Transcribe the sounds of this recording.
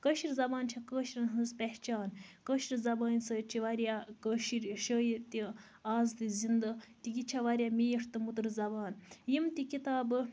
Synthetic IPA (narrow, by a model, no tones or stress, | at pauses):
kɐʃiɾzɐbaːnt͡ʃʰakəːʃiɾɐnɦɨzpɛht͡ʃaːnkəʃiɾʲzɐbaːnʲsɐt͡ʃʰiʋaɾʲjakəʃiɾʃəːjiɾt̪i | aːzt̪izind̪ɐt̪iɡit͡ʃʰaʋaɾʲjamijiʂʰt̪ɨmut̪ɨɾzɐbaːnjimt̪ikit̪aːbɨ